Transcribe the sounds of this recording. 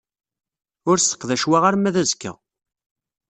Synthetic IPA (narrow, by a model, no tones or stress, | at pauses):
ʊɾsə̥qːðæʃwaʁaɾmæðæzkːæ̰